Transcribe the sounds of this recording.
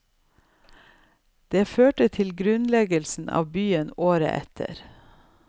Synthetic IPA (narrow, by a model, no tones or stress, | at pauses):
d̪̥eːføːʈət̪ʰɪlɡɾʉnlɛɡəlsn̩ʔɑ̰ːʋbyːənoːɾə̰ʔɛ̰t̪ʰə̰ɾ